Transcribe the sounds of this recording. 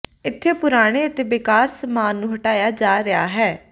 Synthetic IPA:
ɪt̪ʰːeːpʊɾaːɽ̃eːət̪eːbɪkaːɾsəmaːnːũːɦəʈaːjaːd͡ʒaːɾɪa̰ːɦɛː

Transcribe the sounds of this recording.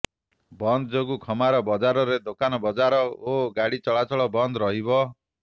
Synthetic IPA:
bɔnd̪ɔd͡ʒoɡukʰɔmaɾɔbɔd͡ʒaɾɔɾed̪okanɔbɔd͡ʒaɾɔoɡaɽit͡ʃɔɭat͡ʃʰɔɭɔbɔnd̪ɔɾɔɦibɔ

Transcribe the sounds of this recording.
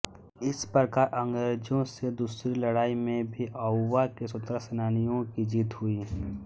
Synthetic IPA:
ɪspɾəkaːɾʔə̃ŋɡɾeːd͡ʒõsed̪uːsɾilɐɽaːimẽbʱiʔɔːʋakesʊt̪ɾəsənaːnijõkid͡ʒiːt̪ɦʊiː

